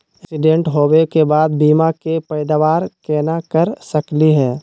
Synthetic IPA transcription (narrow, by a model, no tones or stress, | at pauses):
ɪ̃sɪɖẽːɳʈɦoːwekebaːd̪̚biːmakepɛɪd̪aʋaːɾkɛːnakəɾsɐkliɦɛ̃ː